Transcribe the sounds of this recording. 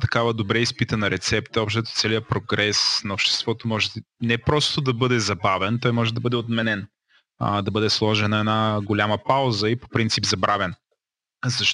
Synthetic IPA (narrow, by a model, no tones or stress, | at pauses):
t̪ɐ̥kavəd̪obɾɛispit̪ənɐɾɛt̪sɛpt̪əɔpʃt̪ɛt̪o̥t̪sɛlijəpɾoɡɾɛsnɐopʃt̪ɛ̥st̪vɔt̪omɔʒɛ | nɛpɾɔst̪od̪ɐbɤd̪ɛzɐbavɛnt̪ɔjmɔʒɛd̪ɐbɤd̪ɛot̪mɛnɛn̰ | d̪ɐbɤd̪ɛslˠɔʒɛɛnɐɛnaɡolʲaməpawzəipo̥pɾint̪sipzɐbɾavɛn | zɐʃt